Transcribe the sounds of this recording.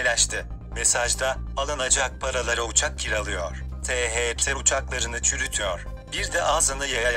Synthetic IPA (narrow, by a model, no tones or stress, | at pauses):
lʲɛʃt̪ʰɪ | me̞saʒd̪aalˠanad͡ʒak̚pʰaɾalˠaɾaut͡ʃʰak̚cʰiɾalˠɯjo̰ɾ̥t̪ʰeɦeɛpsʰɛɾut͡ʃʰaklˠaɾɯnɯt͡ʃʰyɾyt̪ʰyjo̰ɾ̥ | biɾd̪ɛʔaːzɯnɯjaja